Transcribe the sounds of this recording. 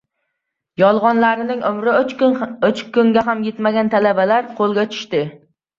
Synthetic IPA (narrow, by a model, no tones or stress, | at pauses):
jɒlˠʁɒnlaɾɪnɪŋʔʊmɾɪɵt͡ʃkʰːʊŋɡʲaɦamjet̪maɡʲant̪ʰalabalaɾqʰolˠɡʲat͡ʃʰʊ̥ʃt̪ɪ